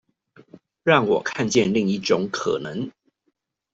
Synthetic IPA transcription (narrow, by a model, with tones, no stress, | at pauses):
ɻɑ˥˩ŋwɔ˨˩kʰa˥˧nt͡ɕjɛ˥˨nli˥˧ŋi˥˩ʈ͡ʂʊ˨˦ŋkʰɤ̰˨˩nə˨˦ŋ